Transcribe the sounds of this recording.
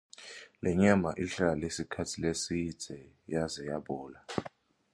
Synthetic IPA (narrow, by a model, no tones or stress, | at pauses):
lɛɲamaʔiɬalesikʰatʰilesi̥z̥ʱɛ | jazɛjaɓɔːla